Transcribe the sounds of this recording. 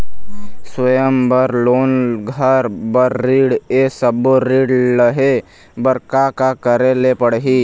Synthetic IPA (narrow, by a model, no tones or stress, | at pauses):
swəjəmbəɾloːnɡʱəɾbəɾːiːɽesəboɾiːɽləɦe | bəɾkakakəɾelepəɽɦiː